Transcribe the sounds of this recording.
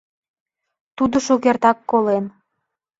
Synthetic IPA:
t̪ud̪ŏʃuɣert̪ɑkːolen

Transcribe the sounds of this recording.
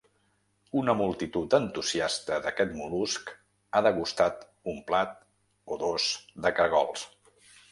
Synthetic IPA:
unəmulˠt̪it̪ut̪ənt̪uziast̪əðəkɛt̪mulusk | aðəɣust̪at̪ | umplat̪̚ | oðozd̪əkəɾɣɔ̰lˠs

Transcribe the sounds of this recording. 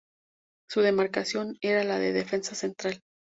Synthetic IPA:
suðe̞maɾkasjo̞neɾalaðe̞ðe̞fe̞nsase̞nt̪ɾal

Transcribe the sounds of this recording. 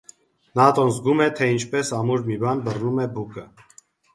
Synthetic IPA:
nɑt̪ɔnzɡumɛt̪ʰɛint͡ʃʰpɛsɑmuɾmibɑnbərnumɛbukə

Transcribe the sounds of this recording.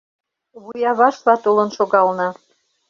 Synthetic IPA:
βujɑβɑʃlɑt̪olɤ̆nʃoɣɑlnɤ̆

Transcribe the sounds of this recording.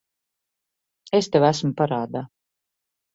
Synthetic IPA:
est̪ɛwæsmupaɾaːd̪aː

